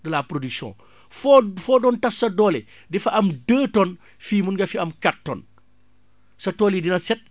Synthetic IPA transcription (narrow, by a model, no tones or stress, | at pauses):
dɐlaːpɾodyksɔ̰̃ː | fɔfɔːdɔntɐsːɐdɔːlɛ | dɛfɐʔɐmdəːtɔn | fiːmunɡɐfiɐmkatːɔ̰ːn | sɐtɔːlidinɐsɛt̚